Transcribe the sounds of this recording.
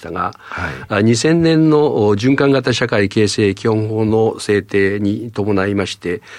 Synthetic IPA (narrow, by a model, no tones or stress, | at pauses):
t̪aɡa̰ | ɲ̟isẽ̞nːẽ̞nːo̞d͡ʑɨ̃ŋkãŋɡat̪aɕakaike̞ːse̞ːkʲihõ̞ɰ̃ho̞ːno̞se̞ːt̪e̞ːɲ̟it̪o̞mo̞naimaɕi̥t̪e̞